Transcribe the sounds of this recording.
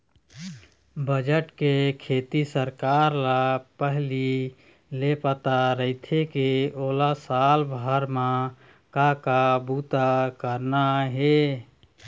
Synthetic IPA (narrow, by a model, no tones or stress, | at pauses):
bəd͡ʒəʈkekʰeːt̪isəɾkaːɾlapəɦli | lepət̪aɾəɪt̪ʰekeoːlasalbʱəɾmã | kakabut̪akəɾnaɦe